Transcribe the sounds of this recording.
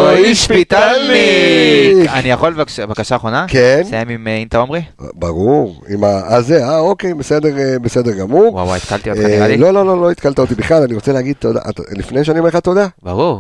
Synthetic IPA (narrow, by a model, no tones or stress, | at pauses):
oiʃpit̪ali | anijaχolvavakaʃaːχʁonakensajemimimt̪aomʁḭbaʁuʁimaazeao̞ke̞jbese̞d̪e̞ʁebese̞d̪e̞ʁɡamuʁwa̰wa̰jit̪kalt̪ioaalo̞lo̞lo̞lo̞it̪̚kalt̪aot̪ibiχlalaniʁo̞t͡seleaɡid̪̚t̪od̪a̰ʔt̪lifnejʃ̬eanimeχat̪o̞d̪aabaʁuʁ